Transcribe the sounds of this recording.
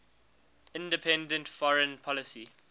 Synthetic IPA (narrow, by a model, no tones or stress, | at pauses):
ɪ̃ndəpʰɛ̃ndə̃ntfɔɹə̃npʰɔlɪsi